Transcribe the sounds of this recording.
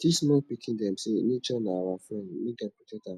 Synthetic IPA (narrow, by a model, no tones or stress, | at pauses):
dismɔpikʰĩndɛm̩senĩt͡ʃɔnãawafɾɛ̃ndnĩɡapitɛta